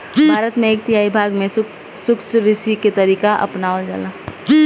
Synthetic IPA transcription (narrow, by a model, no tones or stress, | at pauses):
bʱaːɾət̪mẽeːk̚t̪ɪjaːibʱaːɡmẽ | sʊksɾɪsiket̪ɐɾiːkaʔɐ̰pnaːod͡ʒa̰ːla